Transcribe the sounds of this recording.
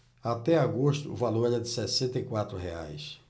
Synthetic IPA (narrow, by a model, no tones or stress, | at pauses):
at̪ɛaɡoʃt̪ʊ̰ːvaloɾɛɾɛd̪ɪsɛsẽnt̪ɐikwat̪ɾʊɦea̰js